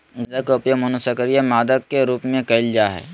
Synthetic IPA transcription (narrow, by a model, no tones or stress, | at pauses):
ɡdɐkopjəmɐnusəkəɾijamaːd̪əkːeɾuːpmẽkɐɪld͡ʒaɦɛ̰ː